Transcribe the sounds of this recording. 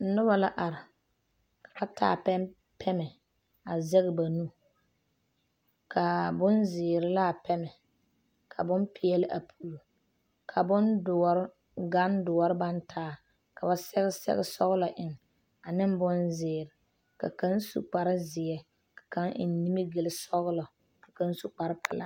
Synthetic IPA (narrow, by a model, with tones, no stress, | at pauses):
n̩˨˦nʊ˦ba˨la˦ʔa˨ɾɪ˨ | kḁ˨ba˦tʰa̰ː˦˨pɛ˦m | pʰɛ˦mɛ˨ | a˨zɛ˦ɣɪ˨ba˨nu˦ | kʰa˨bʊ˦nzɪː˨ɾɪ˨˦la˦˨pɛ˦mɛ˨ | kʰa˨bʊ˦mpɪ˦jɛ˦lɪ˦ʔa˨pʰuː˨lu˨ | kʰa˨bʊ˦ndʊ˨ɔ˨ɾɪ˦ | ɡa˦ndʊ˨ɔ˨˦ɾɪ˦ba˦ntʰaː˦ | ka˨ba˨sɛ˦ɣɪ˦sɛ̰˦ɣɪ˦sɔ˦ɣʊ˦lɔ˨ʔɪ˨ŋ | a˨nɪ˦m˦bʊ˦nzɪː˨ɾɪ˨ | ka̰˨ka˦nsṵ˨k͡pa˨ɾɪ˦zɪ˨ɛ˨ | kḁ˨ka˦ŋʔɪ̰˨n˦ni˦mi˦ɡe˨lɪ˦sɔ˦ɣʊ˦lɔ˨ | ka˨ka˦n˦su˨k͡pa˨ɾɪ˦pɛ˨la̰˨